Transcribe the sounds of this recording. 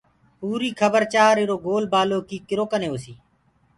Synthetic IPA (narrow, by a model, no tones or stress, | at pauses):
puːɾiːkʰəbəɾt͡ʃaːɾeːɾoːɡoːlbaːloːkiːkɪɾoːkəneːoːsiː